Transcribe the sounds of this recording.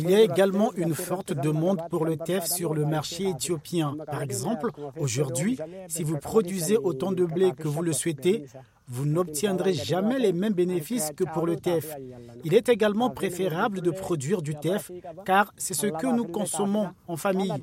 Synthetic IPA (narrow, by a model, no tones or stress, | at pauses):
iliaeɡalmɑ̃ʔynfɔʁt̪d̪əmɑ̃d̪puʁlət̪ɛfsyʁləmaʁʃeet̪jopjɛ̃paʁɛɡzɑ̃ploʒuʁd̪ɥisivupχɔd̪ɥizeʔot̪ɑ̃d̪əblekəvuləswɛt̪e | vunɔp̚t̪jɛ̃d̪ʁeʒamɛlemɛmbenefiskəpuʁlət̪ɛfilɛt̪eɡalmɑ̃pχefeʁabləd̪əpχɔd̪ɥiʁd̪yt̪ɛfkaʁsɛsəkənukɔ̃sɔmɔ̃ɑ̃famij